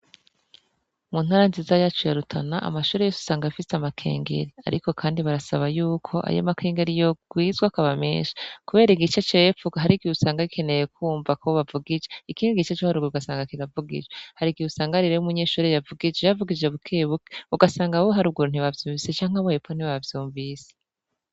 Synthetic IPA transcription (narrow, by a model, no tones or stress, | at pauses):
mun̥haɾanzizajaːt͡ʃujaɾutʰanaʔa̰maʃuːɾejosu̥saːŋɡaafiseamakʰe̞̰ːŋɡe̞̰ɾia̰ɾḭko̞kʰaːndiβaɾasaβajuːkʰo̞ʔa̰jo̰makʰe̞ːŋɡe̞ɾijoɡ̥wiːzɡwakaβamḛːnʃi̥kuβe̞ːɾiɡit͡ʃet͡ʃojepfuɡaɦaɾiɡiusaːŋɡaikʰe̞ne̞jekʰuːɱvakʰoβavuɡid͡ʒeikiːniɡit͡ʃet͡ʃohaɾuɡuuɡasaːŋɡakiɾavuɡḭd͡ʒehaɾiɡiusaːŋɡaɾiɾeumuɲeːʃuːɾejavuɡid͡ʒejavuɡid͡ʒeβukʰeβuke̥uɡasaːŋɡawoɦaɾuːbɡuɾun̥iβavjuːmɱvise̞t͡ʃaːŋ̥aβohepon̥iβavjuːɱvise